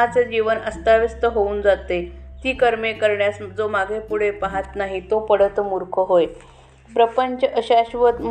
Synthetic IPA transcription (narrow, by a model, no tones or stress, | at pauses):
at͡sed͡ʑiʋənəst̪aʋist̪əɦouːnd͡zat̪et̪iːkəɾmekəɾɳjasd͡zomaɡʱepuɽ̤epaɦat̪naɦit̪opəɽət̪muɾkʰəɦoj | pɾəpəɲt͡ɕəəɕaɕʋət̪